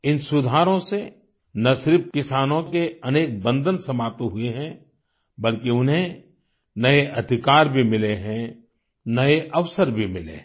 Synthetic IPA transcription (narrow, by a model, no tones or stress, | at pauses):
ɪnsʊd̪ʱaːɾõse | nɐsɪɾɪpkɪsaːnõkeɐneːk̚bə̃nd̪ʱənsɐmaːp̚t̪ɦʊeɦɛ̃ | bɐlkiʊnɦẽ | nɐeʔɐd̪ʱɪkaːɾbʱimɪleɦɛ̃ | nɐeʔɐʋsəɾbʱimɪlḛ